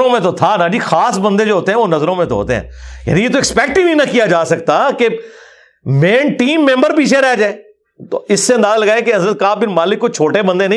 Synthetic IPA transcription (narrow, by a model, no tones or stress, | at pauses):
õmẽt̪ot̪ʰanad͡ʒixaːsbɐ̃nd̪ed͡ʒoːɦoːt̪eɦɛ̃ʋonɐzɾõmẽt̪oɦo̰ːt̪ḛɦɛ̰̃ːja̰ːnĩjet̪oɪkspɛːk̚ʈibʱinɐkijad͡ʒaːsɐkt̪ake | mẽːnʈiːmːẽmbəɾpiːt͡ʃʰeɾɛɦd͡ʒaːe | t̪o̰ɪsːẽnd̪aːzlɐɡaːekeɐzɾət̪̚kaːbɪnmaːlɪkːot͡ʃʰoːʈebɐ̃nd̪enɐĩ